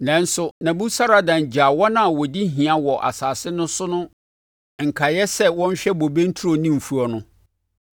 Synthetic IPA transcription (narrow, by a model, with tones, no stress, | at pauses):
nã˨n̩˦sʊ˨nã˨bu˦sa˦ɾa˨dã˨ɲ˨d͡ʑa˨wɔ˦nã˦˨wɔ˨di˦ɦĩ˨a˨wɔ˨ʔa̰˨saː˨sɪ˦nʊ̃˦sʊ˦nʊ̃˦ | ŋ̩˨kʰa˨jɛ˦sɛ˦wɔ̃˦n˦ɕᶣɛ˦bo˨bẽ˦n̩˦tʰu˦ɾo˨nĩ˦m̩˨fu˦ɔ˨nʊ̃˦